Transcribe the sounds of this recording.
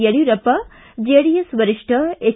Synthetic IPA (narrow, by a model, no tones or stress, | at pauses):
eɽiɾɐpɐ | d͡ʒeɽijɐsʋɐɾɪʂʈʰɐe